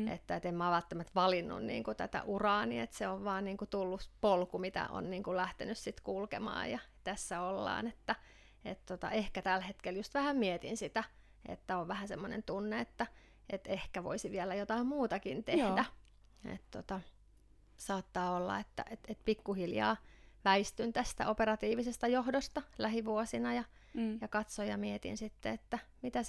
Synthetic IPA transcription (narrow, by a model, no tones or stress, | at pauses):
ḛt̪ːæet̪emmæːʋælt̪ːæmæt̪ʋɑlinːṵnnḭːŋkut̪æ̰t̪æ̰ʔurɑːniet̪seoʋʋɑːnniːŋkut̪ulːupolkumit̪æ̰o̰nniːŋkulæht̪enyssit̪kulkḛmɑ̰ːjjɑt̪æsːæolːɑ̰ːnet̪ːæ | et̪t̪ot̪ɑ̰ehkæt̪ælhet̪keljust̪ʋæhæmmiet̪ḭnsit̪æ | ḛt̪ːæoʋʋæhæsemːonḛnt̪unːeet̪ːæ | ʔet̪ehkæʋo̰isiʋiɛlæjot̪ɑimmuːt̪ɑkint̪ehdæ | ḛt̪t̪ot̪ɑ | sɑːt̪ːɑːolːɑ̰et̪ːæ̰ʔet̪et̪pikːuhiljɑ̰ːʋæist̪ynt̪æst̪æ̰ʔoperɑt̪iːʋisest̪æjohdost̪ɑlæhiʋuosinɑjɑ | jɑkɑt̪sojjɑmiet̪ḭnsit̪ːeet̪ːæmit̪æ